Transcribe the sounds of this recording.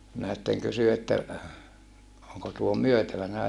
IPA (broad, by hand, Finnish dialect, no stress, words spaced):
minæ sitːeŋ kysy etːæ oŋko tuo myøtæʋænæ